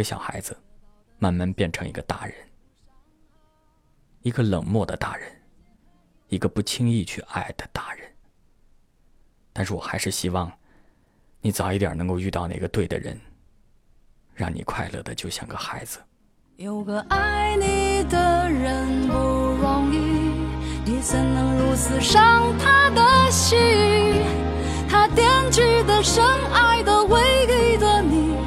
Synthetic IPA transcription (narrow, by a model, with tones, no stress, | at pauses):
ə˧ɕjɑ̰˨˩ʊxa̰˧˥ɪd͡zɹ̩˧ | ma˥˧nma˥˧npjɛ˥˩nʈ͡ʂʰɤ˧˥ŋḭ˧˥ɡə˧t̪a̰˥˩ɻə̰˧˥n | i˧˥ɡə˧lɤ˨˩ŋmwɔ˥˩d̪ə˩t̪a̰˥˩ɻə˧˥n | i˧˥ɡə˧pu˥˩t͡ɕʰi˥ŋi˥˧t͡ɕʰy˥˧ʔa˥˩ɪd̪ə˩t̪a˥˩ɻə˧˥n | t̪a˥˧nʂɻ̩˥˩wɔ̰˨˩xa˧˥ɪʂɻ̩˥˩ɕi˥wɑ˥˩ŋ | ni˧˥t͡sʊi˥t̪jɑ̰˨˩nɤ˧˥ŋko˥˧ʊy˥˧t̪ɑ˥˧ʊna̰˥˩ɡə˧t̪we˥˩ɪd̪ə̰˩ɻə̰˧˥n | ɻɑ̰˥˩ŋnḭ˨˩kʰwa˥˧ɪlɤ̰˥˩d̪ə˩t͡ɕjo˥˧ʊɕjɑ̰˥˩ŋɡə˧xa˧˥ɪd͡zɹ̩˧ | jo˨˩ʊɡə˧ʔa˥ɪni˨˩d̪ə˩ɻə˧npu˧wɑ˧ŋi˧ | ni˨˧˩t͡sʰə˧˥ŋnɤ˧˥ŋɻu˧˥t͡sɹ̩˧˩ʂɑ˥˧ŋt̪ʰa˥d̪ə˧ɕy˥˩ | t̪ʰa˥t̪jɛ˥nʈ͡ʂɻ̩˥˩d̪ə˩ʂə˥ŋa˥˩ɪd̪ə˧we˧˥ɪki˥˩ɪd̪ə˧ni˨˩